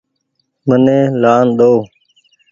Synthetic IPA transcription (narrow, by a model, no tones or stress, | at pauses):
mənẽːlaːnɗ̪oː